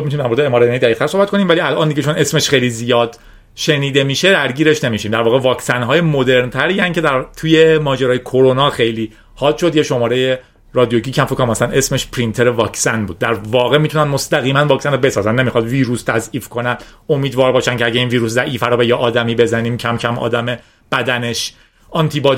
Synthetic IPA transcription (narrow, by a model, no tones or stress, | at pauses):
mit̪unimd̪æɾmoɾeeːmɒːɾeneid̪æixt̪æɾsohbæt̪̚ko̞nimvæliælʔɒːnd̪iɟet͡ʃʰone̞smeʃχejlizijɒːd̪̥ | ʃe̞niːd̪emiːʃe̞d̪æɾɟiːɾeʃne̞miʃiːmd̪æɾvɒːɣe̞vɒːcʰsænɦɒːje̞mod̪e̞ɾnt̪ʰæɾiːæncʰe̞d̪æɾt̪ʰujemɒːd͡ʒeɾɒːjekʰoɾo̞nɒːxe̞jliː | hɒːd̪ʃo̞d̪jeʃo̞mɒːɾe̞je | ɾɒːd̪ijo̞ɟiːcʰæmfokʰɔmæsænʔe̞smeʃpʰɾint̪ʰe̞ɾevɒːcsænbuːd̪̚ːæɾvɒːɣe̞miːt̪ʰunænmo̞st̪æɣiːmænvɒːcsænobe̞sɒːzænne̞mixɒd̪viːɾuːst̪ʰæziːfkʰo̞næno̞miːd̪vɒːɾbɒːʃæncʰeæɟeiːnviːɾuːszæʔiːfæɾɔːbejɛʔɒːd̪æmiːbe̞zæniːmcʰæmcʰæmɒ̰ːd̪æme | b̥æd̪æne̞ʃ | ʔɒːnt̪ʰibɒː